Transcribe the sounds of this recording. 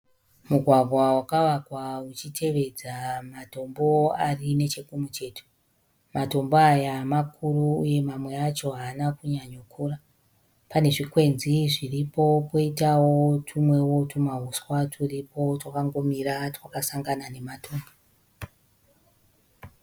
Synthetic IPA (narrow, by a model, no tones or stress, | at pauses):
muɡʱwaɡʱwawakawakwaut͡ʃitʰe̞ʋe̞d͡zamato̞mbo̞arine̞t͡ʃe̞kumut͡ʃe̞ːto̥ | mato̞mboajamakʰuruːje̞mamwe̞at͡ʃo̞ɦaːnakuɲaɲokʰuːra | pane̞ʐikwe̞nziʐiripo̞po̞itawo̞tʰumwe̞wo̞tʰumaɦuswatʰuripo̞twakaŋɡo̞miɾatwakasaŋɡanane̞matʰoːmbo